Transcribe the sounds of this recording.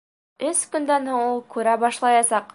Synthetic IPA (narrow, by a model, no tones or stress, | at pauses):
ɵskɵ̆nd̪ænhoɴulˠkʉɾæbɑʃlˠɑjɑsɑq